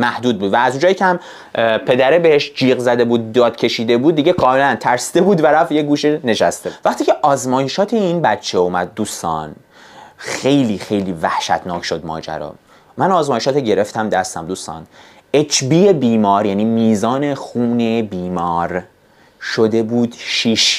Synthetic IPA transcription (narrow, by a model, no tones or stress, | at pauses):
mæhd̪uːd̪̚buːd̪væːzũnd͡ʒɒːjiːcʰʲehæm | pʰe̞d̪æɾebeheʃd͡ʒiːɣzæd̪e̞buːd̪̚ːɒːd̪̥cʰe̞ʃiːd̪e̞buːd̪̚ːiɟekʰɒːme̞lænt̪ʰæɾsi̥d̪ebuːd̪væɾæfjeɡuːʃene̞ʃæst̪evæχt̪iːcʰeʔɒːzmɒːjeʃɒːt̪ʰeinbæt̪t͡ʃʰːeumæd̪̚ːuːst̪ɒ̰n | xejliːxe̞jliːvæhʃæ̰t̪ʰnɒːcʃo̞d̪mɒ̰ːd͡ʒæ̰ɾɒ̰ː | mænɒːzmɒːjeʃɒːt̪eɟe̞ɾe̞ft̪ʰæmd̪æst̪æmd̪uːst̪ɒ̰ːn | et͡ʃʰbiːjebiːmɒːɾjæniːmiːzɒːne̞xuːnebiːmɒːɾ | ʃod̪e̞buːd̪̥ʃiːʃ